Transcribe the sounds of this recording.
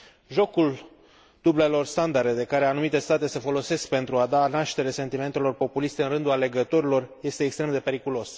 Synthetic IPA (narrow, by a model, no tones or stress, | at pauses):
ʒo̞kul | d̪̥uble̞lo̞rst̪and̪aɾe̞d̪e̞kaɾe̞anumit̪e̞st̪at̪e̞sefo̞lo̞se̞sk̚pe̞nt̪ɾuad̪anaʃt̪e̞ɾese̞nt̪ime̞nt̪e̞lo̞rpo̞pulist̪eɨnrɨnd̪uale̞ɡət̪o̞ɾilo̞rje̞st̪eːkst̪ɾe̞md̪e̞pe̞ɾikulo̞s